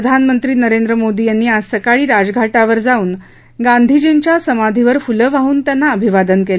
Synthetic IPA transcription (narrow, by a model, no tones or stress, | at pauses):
əd̪ʱanmənt̪ɾiːnəɾend̪ɾəmod̪iːjanːiːasəkaɭiːɾad͡zɡʱaʈaʋəɾd͡zauːn | ɡand̪ʱid͡ʑent͡ɕjasəmad̪ʱiʋəɾfuləʋaɦuːnt̪janːaəbʱiʋad̪ənkel